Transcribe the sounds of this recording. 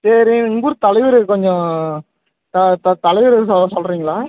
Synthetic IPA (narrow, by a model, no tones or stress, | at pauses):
seɾɪ̃ɪŋɡuɾɯt̪ɐlɐɪʋɪɾɯkɔɲd͡ʒɔ̃ | t̪ɐt̪ɐt̪ɐlɐɪʋɪɾɯsɔsɔlɾiːŋɡɐɭaː